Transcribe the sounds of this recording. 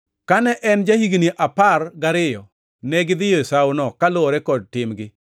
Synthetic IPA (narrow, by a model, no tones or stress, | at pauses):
kanɛʔɛnd͡ʒahiɡniʔaparɡaɾɪjɔ | nɛɡɪd̪ɪjosawʊnɔkaloɾɛkɔd̚tɪmɡɪ